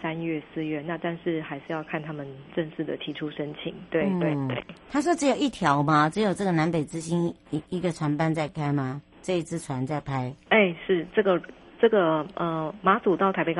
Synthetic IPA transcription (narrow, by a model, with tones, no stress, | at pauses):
sa˦nɥɛ˥˩sɹ̩˥˧ɥɛ˥˩na˥˧t̪a˥˧nʂɻ̩˥˩xa˧˥ɪʂɻ̩˥˧jɑ˥˧ʊkʰa˥˩nt̪ʰa˥mə˨nʈ͡ʂə˥˧ŋʂɻ̩˥˩d̪ə˩t̪ʰi˧˥ʈ͡ʂʰu˥ʂə˥nt͡ɕʰḭ˨˩ŋt̪we˥˩ɪt̪we˥˩e˥˨˩t̪ʰa˥ʂ̬wɔ˥ʈ͡ʂɻ̩˧˥jo˨˩i˥˩t̪ʰjɑ˧˦ʊma˧ʈ͡ʂɻ̩˧˥jo˨˩ʊʈ͡ʂɤ˥˩ɡə˩na˧˥npe˨˩ɪt͡sɹ̩˥˧ɕi˥n˧i˧˦˥ɡə˨ʈ͡ʂʰwa˧˥npa˥˧nt͡sa˥˩ɪkʰa˥ɪma˧ | ʈ͡ʂɤ˥˧i˥t͡sʰɹ̩˥˩ʈ͡ʂʰwa˧˥nt͡sa˥˩ɪpʰa˥ɪe˥˩ɪʂɻ̩˥˩ʈ͡ʂɤ˥˩ɡə˩ʈ͡ʂɤ˥˩ɡə˩ə˩ma˧˥t͡su˨˩t̪ɑ˥˩ʊt̪ʰa˥pe˧ɪ